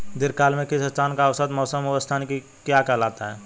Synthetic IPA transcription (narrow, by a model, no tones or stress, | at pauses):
d̪ɪɾkaːlmẽkɪsət͡ʃaːnkaɐʋsət̪mɔːsəmʊʋəst̪ʰaːnki | kjakɛɦlaːt̪aɦɛː